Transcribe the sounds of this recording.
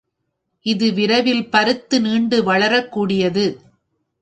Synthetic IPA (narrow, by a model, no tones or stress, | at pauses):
ʔɪðɯʋɪɾɐʋɪlpɐɾɯt̪ːɯniːɳɖɯʋɐɭɐɾɐkːuːɽɪjɐðɯ